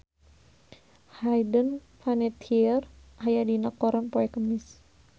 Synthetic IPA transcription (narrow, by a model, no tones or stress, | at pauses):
hajdən | fanɛt̪ʰiərhajadinəkːɔɾanpɔɛkəmis